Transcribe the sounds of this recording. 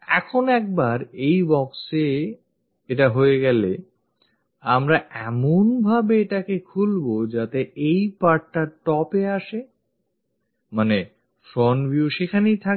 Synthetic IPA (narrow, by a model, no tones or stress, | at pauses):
ɛkʰonɛk̚baɾejbɔkse | eʈaɦoeɡɛle | amɾaɛmonbʱabeeʈakekʰulbod͡ʑat̪eʔejpaɾʈ̚ːaɾʈɔpeaʃe | mane | fɾɔnbʱjiuʃekʰanejt̪ʰak